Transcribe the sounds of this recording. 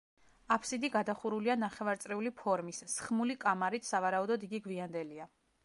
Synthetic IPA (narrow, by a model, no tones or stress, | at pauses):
apʰsid̪iɡad̪aχuɾulianaχɛvaɾt̪sʼɾɛulipʰɔɾmisːχmulikʼamaɾit̪ʰsavaɾaud̪ɔd̪iɡiɡviand̪ɛlia